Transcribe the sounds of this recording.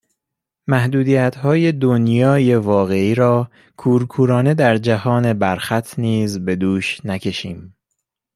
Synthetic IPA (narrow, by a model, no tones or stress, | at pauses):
mæhd̪uːd̪iːjæt̪ʰhɒːje̞d̪onjɒːje̞vɒːɣe̞iːɾɒː | kʰuːɾkʰuːɾɒːne̞d̪æɾd͡ʒæhɒːne̞bæɾxæt̪ʰniːzbe̞d̪uːʃnækʰe̞ʃiːm